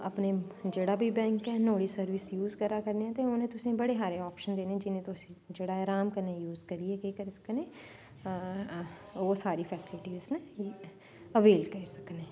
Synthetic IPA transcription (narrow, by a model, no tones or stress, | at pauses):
ə̰pneːd͡ʒeːɽaːbʱiːbɛ̃ːŋkɛːnoːɽiːsəɾʋisjuːzkəɾaːkəɾneɛ̃ːt̪eːʊnẽːt̪ʊsĩːbəɽeːɦaːɾeːɔːpʃənd̪eːneːd͡ʒɪnẽːt̪ʊsĩːd͡ʒeːɽaːɦɛːɾaːmkəɾneːjuːzkəɾiːɛːkekəɾisə̥knẽː | oːsaːɾiːpʰɛːsɪlɪʈiːzne | əʋeːlkəɾiːsəknẽː